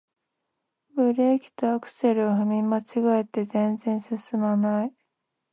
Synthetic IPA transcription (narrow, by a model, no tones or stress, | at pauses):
bɯ̟ɾekʲi̥t̪o̞akɯ̟̥se̞ɾɯ̟oɦɯmʲimat͡ɕiɡaet̪ːe̞zẽ̞nd͡zẽ̞ɰ̃sɨsɨmanai